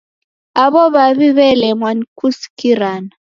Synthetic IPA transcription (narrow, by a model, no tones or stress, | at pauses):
aβɔβaβiβɛlɛmwanikusi̥kiɾana